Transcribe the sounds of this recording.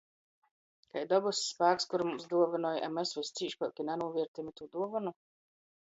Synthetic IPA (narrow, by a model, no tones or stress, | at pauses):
kajd̪ɔbussːpaːkskuɾmumsd̪uɔvanɔːjʔɛ̰mɛsvɨsʲt̪siːʃpɔkʲinɛnuɔviɛɾt̪imit̪ud̪uɔvanu